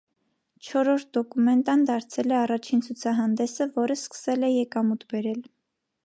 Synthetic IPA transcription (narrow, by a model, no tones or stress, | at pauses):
t͡ʃʰɔɾɔɾt̪̚ʰd̪ɔkumɛnt̪ɑnd̪ɑɾt͡sʰɛlɛɑrɑt͡ʃʰint͡sʰut͡sʰɑɦɑnd̪ɛsəvɔɾəskə̥sɛlɛjɛkɑmut̪ʰbɛɾɛl